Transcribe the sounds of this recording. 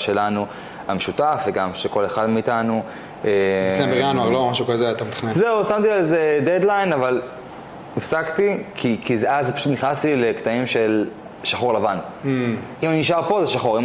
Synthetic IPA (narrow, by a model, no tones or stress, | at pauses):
ʃe̞lanu | hameʃutafveɡamʃe̞ko̞le̞χadmiiːt̪anu | esebeʁanuaʁlomaʃukazeat̪amet̪ḁχnezeusamt̪ialzeded̪lajnaval | ifsakt̪ikʰikizeazpḁʃut̪niχnast̪ilekt̪aimʃe̞l | ʃaχoʁlavan̩ | imaniniʃaʁpo̞zeʃaχoʁim